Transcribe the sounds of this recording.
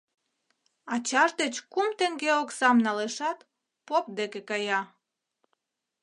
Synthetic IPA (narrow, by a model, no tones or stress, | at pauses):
ɑt͡ɕɑʒd̪et͡ɕkumt̪eŋɡeoksɑmnɑleʃɑt̪ | pop̚d̪ekekɑjɑ